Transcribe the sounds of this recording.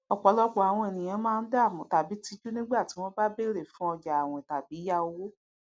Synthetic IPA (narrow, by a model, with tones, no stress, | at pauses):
ɔ˨k͡pɔ˨˦lɔ˦k͡pɔ˨˦a˨w̃ɔ̃˧e˨nĩ˨j̃ã˨˦mãː˦˧n̩˦da˦˨mũ˨˦ta˨bi˨˦ti˧d͡ʒu˦nĩ˦ɡ͡ba˦˨ti˨˦w̃ɔ̃˧˦ba˦be˦ɾe˨fũ˦ɔ˧d͡ʒa˨a˨w̃ɔ̃˨ta˨bi˨˦ja˦o˧wo˦